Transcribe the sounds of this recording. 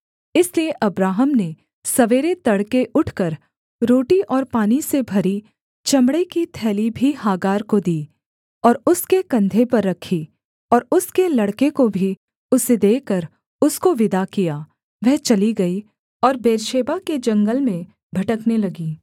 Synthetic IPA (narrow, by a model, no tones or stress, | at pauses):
ɪslieʔɐbɾaːɦəmne | sɐʋeːɾet̪ɐɽkeʔʊʈʰkəɾ | ɾoːʈiʔɔːɾpaːnisebʱɐɾi | t͡ʃɐmɽekit̪ʰɛːlibʱihaːɡaːɾkod̪iː | ɔːɾʊskekɐ̃nd̪ʱepɐɾːɐkʰi | ɔːɾʊskelɐɽkekobʱi | ʊsed̪eːkɐɾ | ʊskoʋɪd̪akija | ʋɛɦt͡ʃɐliɡɐi | ɔːɾbeːɾʃeːbaked͡ʒɐ̃ŋɡəlmẽ | bʱɐʈəknelɐɡiː